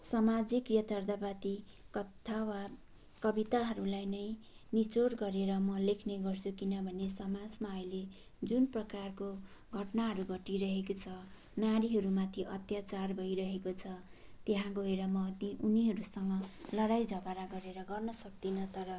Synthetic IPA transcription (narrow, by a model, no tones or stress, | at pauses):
sʌmad͡zikjʌt̪ʰʌrd̪abat̪i | kʌt̪ʰːawa | kʌbit̪aɦʌɾulajnʌj | nit͡soɾɡʌɾeɾʌmʌlekʰneɡʌrt͡sʰukinʌbʱʌnesʌmad͡zmaʌjle | d͡zunprʌkarko | ɡʱʌʈnaɦʌɾuɡʱʌʈiɾʌɦekot͡sʰʌ | naɾiɦʌɾumat̪ʰiʔʌt̪jat͡sarbʱʌjɾʌɦekot͡sʰʌt̪eɦãɡoɦeɾʌmʌt̪iʔuniɦʌɾusʌŋɡʌlʌɾajd͡zʱʌɡaɾaɡʌɾeɾʌɡʌrnʌsʌk̚d̪inʌt̪ʌɾʌ